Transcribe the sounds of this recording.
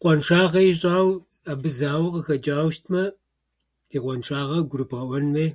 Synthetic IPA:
qʷɔnʂaːʁɐiɕʼaːw | abɨzaːwɐqəxɐd͡ʒʼaːwʃtʰmɐ | iqʷɔnʂaːʁɐɡʷʊɾɨpʰaːʔʷɔnmeː

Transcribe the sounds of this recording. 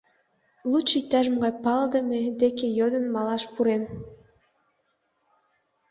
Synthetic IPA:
lut͡ɕyjt̪ːæʒəmɡɑjpɑləd̪əmed̪ekejod̪ənmɑlɑʃpuɾem

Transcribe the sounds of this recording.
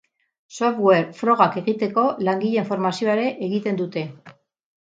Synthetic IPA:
so̞fɣweɾfɾo̞ɣ̞ake̞ɣit̪e̞ko̞laŋɡiʎe̞iɱfo̞ɾmasio̞aɾe̞ʔeɣit̪e̞nd̪ut̪e̞

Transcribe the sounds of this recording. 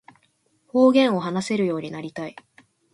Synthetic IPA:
ho̞ːɡẽ̞ɰ̃o̞ɦanase̞ɾɯ̟jo̞ːɲ̟inaɾʲit̪ai

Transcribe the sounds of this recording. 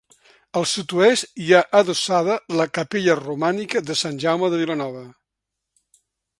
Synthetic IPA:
əlˠsut̪uɛst̪iaʔəðusaðələkəpeʎərumanikəðəsanʲʒawməðəβilənɔβə

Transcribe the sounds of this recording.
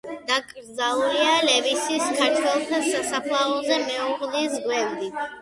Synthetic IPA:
d̪̥akʼɾd̪zalulialɛvisiskʰaɾt̪ʰwɛlˠt̪ʰasasapʰlˠaɔzɛmɛuʁlisɡwɛvd̪i

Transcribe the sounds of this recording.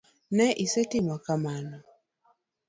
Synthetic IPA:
nɛʔisetimɔkamanɔ

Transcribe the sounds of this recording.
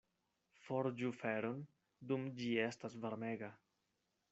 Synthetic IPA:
foɾd͡ʒufe̞ɾon | dumd͡ʒie̞stasvaɾmeɡa

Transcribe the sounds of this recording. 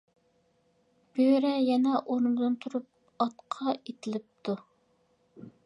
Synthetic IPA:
b̥øɾɛjɛnɛʔoɾnd̪ɨnt̪ʰuɾup̚ | ɑt̪qʰɑet̪ʰɪlɪp̚t̪ʰu

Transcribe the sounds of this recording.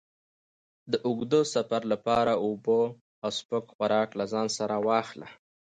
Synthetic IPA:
d̪əʔʊɡd̪osafaɾlapɑɾaubo | awspokxwaɾɑklazɑnsaɾawɑxla̰

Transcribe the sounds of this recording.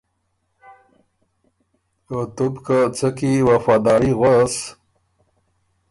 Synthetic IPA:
ot̪ubkat͡səkiwafaːd̪ɑːɾiɣwas

